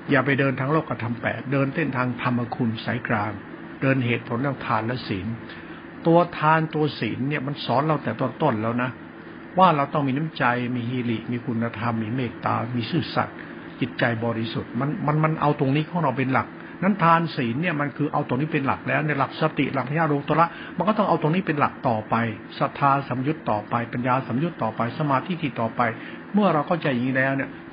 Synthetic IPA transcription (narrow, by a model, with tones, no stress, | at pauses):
jaː˨˩pa˧jdɤː˧nt̪ʰaː˧ŋloː˥˩kːɾa˧t̪ʰa˧mpɛ̰ː˨˩t̪̚dɤː˧nt̪e˥˩nt̪ʰaː˧ŋt̪ʰa˧mːa˧kʰu˧nsa̰˩˦jkɾaː˧ŋ | dɤː˧nɦeː˨˩t̪̚pʰo˨˩˦nt̪ʰaː˥˩ŋt̪ʰaː˧nlɛ˦˥siː˩˦n | t̪u˧ɐt̪ʰaː˧nt̪u˧ɐsiː˩˦nːi˥˩ɐma˧nsɔː˨˦˥nla˧˥˩wt̪ɛː˨˩t̪o˧˥˩nt̪o˥˩nlɛː˦˥wna˦˥ | waː˥˩ɾa˧wt̪ɔ˥˩ŋmiː˧na˦˥˩t͡ɕa˧jmiː˧ɦiː˧li˨˩ʔmiː˧kʰu˧nːa˧t̪ʰa˧mːiː˧meː˥˩t̪ːa̰ː˧miː˧sɯː˥˩sa̰˨˩t̪̚ | t͡ɕi˨˩t̪̚t͡ɕa˧jbɔː˧ɾi˧su˨˩t̪̚ma˧nma˧nma˧nʔa̰˧wt̪o˧ŋniː˦˥kʰɔː˧˥ŋɾa˧wp̬e˧nla˨˩k̚ | na˦˥nt̪ʰaː˧nsiː˩˦nːi˥˩əma˧nkʰɯː˧ʔa̰˧wt̪o˧ŋniː˦˥˩pe˧nla̰˨˩k̚lɛː˦˥wni˥˩ɐla˨˩k̚sa˧t̪ḭ˨˩la˨k̚pʰja˥˩ɾoː˧ŋt̪u˧la˦˥ʔ | ma˧nkɔː˥˩t̪ɔ˥˩ŋʔa˧wt̪o˧ŋniː˦˥˩pe˧nla˨˩k̚t̪ɔː˨˩pa˧j | sa˧˩t̪ʰaː˧sa˩˦mju˦˥t̪ːɔː˨˩pa˧jpa˧njaː˧sa˩˦mju˦˥t̪ːɔː˨˩pa˧jsa˧maː˧t̪ʰiː˦˥˩t̪ʰiː˧˩t̪ɔː˨˩pa˧j | mɯ˥˩ɐɾa˧wkʰa˥˩wt͡ɕa˧jʔi˨ŋi˥˩lɛː˦˥wni˥˩ɐ